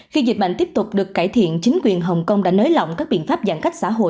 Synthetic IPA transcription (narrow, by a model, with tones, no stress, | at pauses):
xi˧zi˨˩t̚ɓa̰˧˨ŋ̟t̪i˦˥ət̪ʊ˨˩k͡p̚ɗɨ˨˩əkːaː˧˩jt̪ʰḭ˧˨ənt͡ɕï˨˦ŋ̟kwi˨˩ənɦə˨˩wŋ͡mkə˧wŋ͡mɗa̰ː˧˥nəː˨˦jlɔ̰˧˨wŋ͡mkaː˦˥k̚ɓḭ˧˨ənfaː˦˥p̚zaː˧˩nka˦˥k̚sa̰ː˧˥ɦo̰˧˨